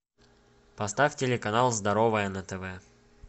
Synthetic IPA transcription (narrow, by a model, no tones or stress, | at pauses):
pɐst̪afʲtʲɪlʲɪkɐnalˠzd̪ɐɾovəjənət̪ɛvɛ